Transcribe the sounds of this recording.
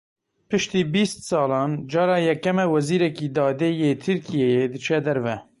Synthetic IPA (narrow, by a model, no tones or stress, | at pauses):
pɨʃt̪iːbiːst̪sɑːlɑːnd͡ʒɑːɾɑːjɛkːɛmɛwɛziːɾɛkiːd̪ɑːd̪eːjeːt̪ʰɨɾkʰijejed̪ɨt͡ʃʰɛd̪ɛɾvɛ